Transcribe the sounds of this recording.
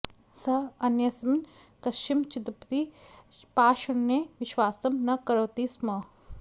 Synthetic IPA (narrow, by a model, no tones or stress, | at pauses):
sɐɐnjɐsɐmn | kɐst͡ʃimt͡ʃɪt̪ɾəpɐt̪ipaːʃɐɳneʋɪʃwaːsɐmnɐkɐɾoːt̪ismɐ